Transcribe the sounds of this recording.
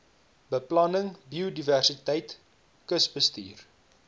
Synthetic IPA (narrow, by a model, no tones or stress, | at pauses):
bəplɐnəŋbiodiværsitɛjt | kəsbəstḭːr